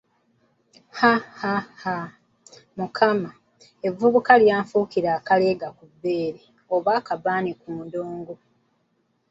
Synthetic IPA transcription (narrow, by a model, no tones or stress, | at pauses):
hahaha | mukʰama | e̞vːuβukaljaːɱfuːkiɾaːkale̞ːɡakubːe̞ːɾe | oβaːkabaːnikuːndoːŋɡo